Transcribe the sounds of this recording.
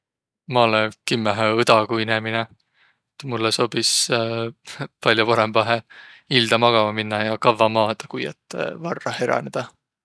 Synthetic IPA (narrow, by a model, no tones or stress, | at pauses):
mɑlekimːæɦeɤd̪̥ɑkuinemine | et̪mulːeso̞ːb̥is | pɑlʲjopɑɾe̞mbɑɦeild̪̥ɑmɑɡ̥ɑmɑminːɑjɑkɑvːɑmɑːd̪̥ɑkujɑ̰t̪ːˑḛvɑrːɑhe̞ɾɑ̰ne̞d̪̥ɑ